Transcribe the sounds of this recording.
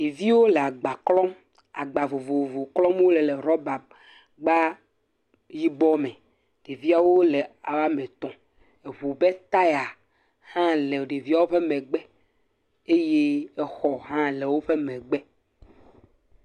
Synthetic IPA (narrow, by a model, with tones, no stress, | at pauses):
e˨vi˦wo˦le˨a˨ɡ͡ba˨klɔ̃˦m | a̰˨ɡ͡ba˨vo˨vo˨vo˨klɔ̃˦m˦wo˦le˨le˨ɾɔ˦ba˨m | ɡ͡ba˦ | ji˦bɔ˦mɛ̃˨ | ɖ̥e˨vi˦a˨wo˦le˨a˨wa˦mɛ̃˨t̪ɔ̃˨ | e˨βu˨be˦t̪a˦ja˨ | hã˦le˨ɖe˨vi˦a˨wo˦ɸe˦mɛ̃˨ɡ͡bɛ˦ | e˦je˦ɛ˦xɔ˨ɦã˦le˨wo˦ɸe˦mɛ̃˨ɡ͡bɛ˦